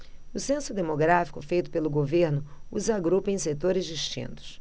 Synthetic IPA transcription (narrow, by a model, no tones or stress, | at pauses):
ʊsẽsʊd̪emoɡɾafi̥kʊfejt̪ʊ̥pelʊɡoveɾnʊuzaɡɾupɐẽj̃set̪oɾɪzd͡ʒiʃt͡ʃḭ̃nt̪ʊ̥s